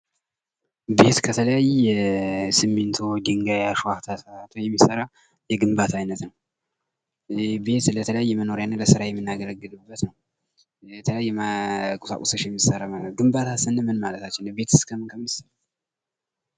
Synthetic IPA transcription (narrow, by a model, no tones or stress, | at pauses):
be̞t̪kʰət̪ʰələjajɛsɨmːent̪ʰod͡ʒɨŋɡajaʃuat̪ʰasat̪ʰojɛmːisəɾa | jɛɡɨmbat̪ʰajnət̪nəw | be̞t̪lət̪ʰələjajːɛməno̞ɾjanːələsɨɾajɛmːɨnːaɡələɡːɨlɨbːət̪nəw | ɛt̪ʰələjajːɛkʼusa̰kʼusəʃjɛmːisəɾaaɡɨmbat̪ʰasɨnːɨmɨnmalət̪ʰat͡ʃːɛnbe̞t̪ʰɨskʰəmɨnkʰəmːisəɾa